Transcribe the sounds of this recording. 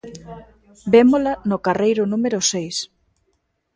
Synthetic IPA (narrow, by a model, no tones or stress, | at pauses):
bemolanokarejɾʊnũmeɾʊsejs